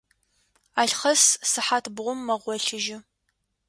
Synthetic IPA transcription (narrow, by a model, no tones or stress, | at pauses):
aːɬχɐssɨħaːtʰbʁʷʊmːɐʁʷɔɬɪʒɪ